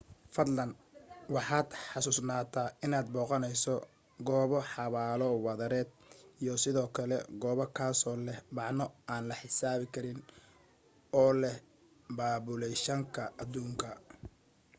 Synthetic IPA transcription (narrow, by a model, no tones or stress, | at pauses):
fɐd̪lɐnwɑħɑːd̪ħɑsuːsnaːt̪ʰaːɪnaːd̪̚bɔːqɔnɛjsɔ | ɡɔːβɔħɑβaːlɔwɑðɐɾɛːd̪̚ijɔsɪðɔːkʰɐlɛ̰ɡɔːβɐkʰaːsɔːlɛhmɑʕnɔaːnlɐħɪsaːβɪkʰɐɾɪn | ɔːlɛh | baːbʊlɛʃɐŋkʰɐʔɐd̪uːŋkʰɐ